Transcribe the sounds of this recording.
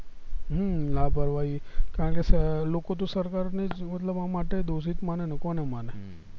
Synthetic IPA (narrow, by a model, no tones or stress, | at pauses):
ɦəlabʱəɾʋaikaəɳkeslokot̪̬osəɾkaɾned͡ʒmət̪ləbãmaʈed̪oʃ̬it̪manenekɔnemane